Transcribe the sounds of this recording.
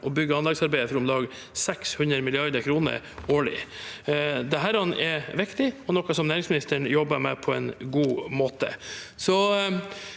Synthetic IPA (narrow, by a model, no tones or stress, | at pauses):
ʔɔbʏɡːəɑnɑksɑɾbæɪəfɾʊmlɑːɡ | sɛkshʉnɾəmɪlɪɑɾd̪əɾkʰɾuːnə̰ɾ | oːɭɪ̰ | d̪ɛɦæːɾɑnʔɛʋɪkt̪ɪɔnɔkːɑsɔmnæːɾɪŋsmɪnɪst̪əɳjɔbːəmɛpʰɔɛ̰nɡuːmoːt̪ə̰sɔ